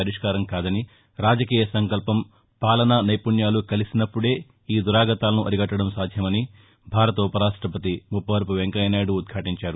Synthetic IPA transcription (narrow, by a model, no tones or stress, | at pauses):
ɐɾiʂkaːɾɐmkaːd̪ɐni | ɾaːd͡ʒɐkiːjɐsɐŋkɐlpɐm | paːlɐnɐnɐjpuɳjaːlukɐlisinɐpːuɽe̞ː | iːd̪uɾaːɡɐt̪aːlɐnuʔɐɾiɡɐʈːɐɽɐmsaːd̪ʱjɐmɐni | bʱaːɾɐt̪ɐupɐɾaːʂʈɾɐpɐt̪imupːɐʋɐɾp̬uʋeŋkɐlɐjnaːjɽuːd̪̚ɡʰʱaːʈiɲt͡ʃaːɾu